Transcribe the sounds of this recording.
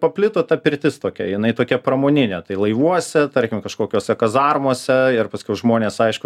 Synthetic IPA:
pɐpʲlʲɪt̪oːt̪ɐpʲɪɾʲt̪ʲɪst̪oːkʲɛjɪnɐɪt̪oːkʲɛprɐmoːnʲɪnʲet̪ɐɪlˠɐɪʋuɔsʲɛt̪ɐɾʲkʲɪmkɐʃkoːkʲoːsʲɛkɐzɑrmoːsʲɛɪrpɐsʲkʲɛʊʒmoːnʲeːsɐɪʃkʊ

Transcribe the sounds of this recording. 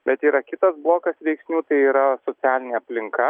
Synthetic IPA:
bʲɛt̪iːɾɐkʲɪt̪ɐsblˠoːkɐsʋʲɛɪksʲnʲuːt̪ɐɪiːɾɐsoːsʲæːlʲɪnʲeɐpʲlʲɪŋkɐ

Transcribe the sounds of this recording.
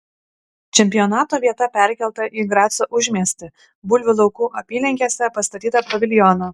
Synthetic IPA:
t͡ʃʲɛmʲpʲɪjɔnɑːt̪oːʋʲiɛt̪ɐpʲæˑɾʲkʲɛlˠt̪ɐʔiɡɾɑːt̪soːʔʊʒʲmʲeɛsʲt̪ʲɪ | bʊlʲʋʲʊlˠɒʊkuːʔɐpʲiːlʲɪŋʲkʲeːsʲɛpɐst̪ɐt̪ʲiːt̪ɐpɾɐʋʲɪlʲɪjɔnɐ

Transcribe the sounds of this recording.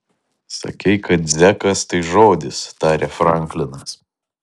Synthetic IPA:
sɐ̰kʲɛɪkɐt̪̚zʲækɐst̪ɐɪʒoːd̪ʲɪst̪ɑːɾʲefɾɐˑŋʲklʲɪnɐs

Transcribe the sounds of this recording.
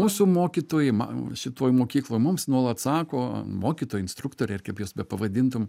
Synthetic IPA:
muːsʊmoːkʲit̪oːjɛɪmɐ̰ʃʲɪt̪oːjmoːkʲiːklˠoːjmʊmsnuɔlˠɐt̪sɑːkoːmoːkʲiːt̪oːjɪnst̪ɾʊkt̪oːɾʲɛɪrkɐpjoːsbʲɛpɐʋɐd̪ʲɪnt̪ʊm

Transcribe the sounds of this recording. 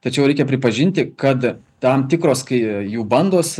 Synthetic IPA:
t̪ɐt͡ʃʲɛʊɛɪkʲɛpʲɾʲɪpɐʒʲɪnʲt̪ʲɪkɐt̪ | t̪ɐmt̪ʲɪkɾoːskɐɪjuːbɐnd̪oːs

